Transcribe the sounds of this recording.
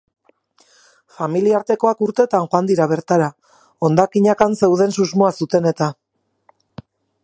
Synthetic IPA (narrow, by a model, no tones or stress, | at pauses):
familiaɾt̪e̞ko̞akuɾt̪e̞t̪anxoand̪iɾaβ̞e̞ɾt̪aɾa | o̞nd̪akiɲakanse̞wð̞e̞nsuzmoasut̪e̞ne̞t̪a